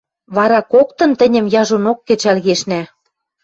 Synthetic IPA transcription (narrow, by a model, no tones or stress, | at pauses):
βɑɾɑkokt̪ɤ̆nt̪ɘ̆nʲə̆mjɑʒonokːɘ̆t͡ɕælɣeʃnæ